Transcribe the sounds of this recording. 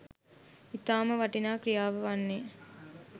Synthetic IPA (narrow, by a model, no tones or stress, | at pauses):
it̪aːməʋɐʈinaːkɾijaːʋəʋanːeː